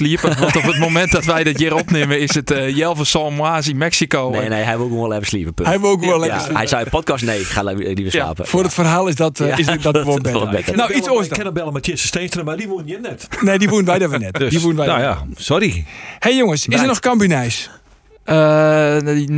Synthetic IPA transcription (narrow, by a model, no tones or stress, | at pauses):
sliəpəʋɔntopət̚momɛnt̚dɔtʋɛjdɪtjɪɾopnɪməɪsətjɛlˠvəsɔlˠmwaːsinmɛksikoːnneːɦɛjʋɪlˠkuolˠɛvəsliəpəpøhɛjʋɪlˠkɔlɛa̰hɛjsɔwəpʰɔt̚kɔsneːɪkxaɛlivəsla̰ːpə̰fʊɾətfərɦaːlˠɪsdɔtɪsdɔoɛbɛtnawisojskɛnəbɛlˠəmatʰjɪsəsteːstənəmadiʋuənjɪnɛtneːdiʋunʋɛjdɔtʋnɛtdsiʋun̩ʋɛnajasɔɾihejjoŋəsɪsənɔxkambunɛjs | ə